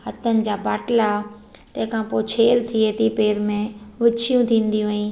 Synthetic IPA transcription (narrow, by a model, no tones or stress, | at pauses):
hɐt̪ənɪ̆d͡ʑaːbaːʈla | t̪ɐ̃ɦkʰãpoːt͡ɕʰeːlt̪ʰiet̪ʰipeːɾmẽʋɪt͡ɕʰijũt̪ʰĩːnd̪ijũɦaĩː